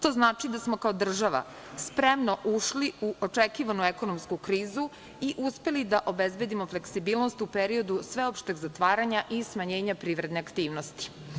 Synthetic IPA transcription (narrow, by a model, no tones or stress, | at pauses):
t̪o̞ːznaːt͡ʃid̪asmo̞kao̞d̪r̩ʒaʋa̰ | spɾemno̞ʔuʃliuʔot͡ʂekiːʋanueko̞nomskukɾiːzu | iʔuspe̞lid̪aʔo̞bezbe̞d̪imo̞fleksibiːlno̞st̪upeɾio̞d̪usʋe̞o̞pʃt̪eɡzat̪ʋaːɾaɲaʔismaɲe̞ːɲapɾiːʋɾe̞d̪ne̞akt̪iːʋno̞st̪i̥